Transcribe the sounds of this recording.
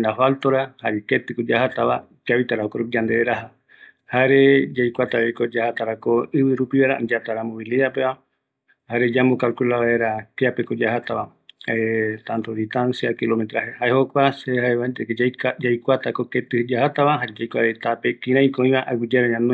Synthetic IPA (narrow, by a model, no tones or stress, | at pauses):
nd̪afalt̪oɾahaɾeket̪ɨkod͡ʒahat̪aβa̰ | t͡ʃaβit̪aɾaokoɾuid͡ʒand̪eeɾaɦa | haɾed͡ʒajkʷat̪aβekod͡ʒahat̪aɾakoɨβɨɾupiβaeɾa̰ʔd͡ʒat̪aɾamoβiliðapeβa | haɾed͡ʒamokalkulaβaeɾakeapekod͡ʒahat̪aβa | et̪ant̪oɾit̪ansiakilomet̪ɾaɦehaehokʷasehaeβant̪ekd͡ʒajkʷat̪akoket̪ɨhd͡ʒahat̪aβaɦaɾed͡ʒajkʷaɾet̪apekĩɾãĩkoĩβaʔaɡʷid͡ʒaɾaɲãnũ